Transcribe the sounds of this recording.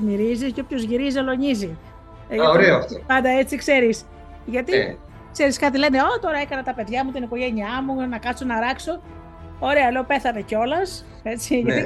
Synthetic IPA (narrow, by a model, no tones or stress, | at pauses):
miɾizisceopço̞zʝiɾizelo̞ɲizi | ʝɐoɾeoɐt̪pɐnd̪ɐe̞t͡sikse̞ɾis | ʝɐt̪i | kse̞ɾiskɐt̪ile̞ne̞ot̪o̞ɾɐe̞kɐnɐt̪ɐpe̞ðʝɐmut̪iniko̞ʝe̞niɐmunɐkɐso̞nɐɾɐkso̞ | o̞ɾe̞ɐle̞ope̞θɐne̞ceo̞lɐs | e̞t͡siʝɐt̪i